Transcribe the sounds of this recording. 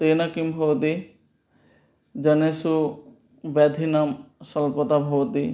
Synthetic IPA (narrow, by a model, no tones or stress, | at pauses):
t̪eːnɐkimbʱoːd̪i | d͡ʒɐnesu | ʋad̪ʱinamsɐlpɔt̪abʱoːd̪i